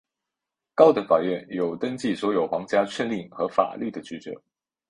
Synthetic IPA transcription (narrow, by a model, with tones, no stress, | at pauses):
kɑ˥ʊd̪ə˨fa˨˩ɥɛ˥˩njo˨˩ʊt̪ə˥ŋt͡ɕi˥˩swɔ˧˥jo˨˩ʊxwɑ˧˥ŋt͡ɕja˥t͡ɕʰɛ˥˧nli˥˩ŋxɤ˧˥fa̰˨˩ly˥˩d̪ə˩t͡ɕy˧˥ʈ͡ʂɤ̰˨˧˦